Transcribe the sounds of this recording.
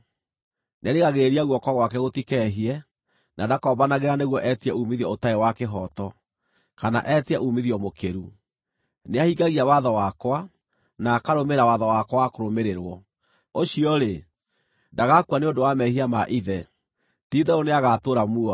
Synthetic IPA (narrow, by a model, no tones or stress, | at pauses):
nʔaɾeɣaɣeɾiaɣwɔkwaɣwakɛɣotikɛɦiɛ | nʔadakɔːbanaɣeɾaneɣwɔʔɛtiɛʔumiðiɔotaewakeɦɔtɔ | kana̰ʔɛtiɛʔumiðiɔmokeɾu | neahiɡaɣiawaðɔwakwa | naːkaɾomeɾawaðɔwakwɔwakoɾomeɾeɾwɔ | oɕiɔɾe | ndaɣakuwaneondowamɛhiamaʔiðɛ | tiðɛoneaɣatoɾamuɔ